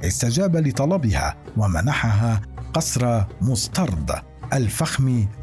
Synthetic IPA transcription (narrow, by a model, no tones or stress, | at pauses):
ʔɪst̪ad͡ʒaːbalɪt̪ˤɑlɑbɪha̰ːwamanaħaɦaːqɑsɾˤɑmʊst̪ɑɾˤd̪ˤ | ʔalfaxmiː